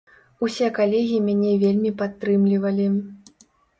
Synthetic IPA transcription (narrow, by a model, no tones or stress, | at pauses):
usʲɛkalʲeɣʲiimʲanʲɛvʲelʲmʲipat̪ːɾɨmlʲivɐlʲi